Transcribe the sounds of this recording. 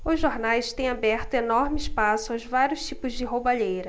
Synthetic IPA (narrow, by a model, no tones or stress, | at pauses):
ʊzʒoɾnajst̪ẽj̃abɛɾt̪ʊenɔɾmɪspasʊawzvaɾʲjʊʃt͡ʃipʊzd͡ʒɪɦobaʎejɾɐ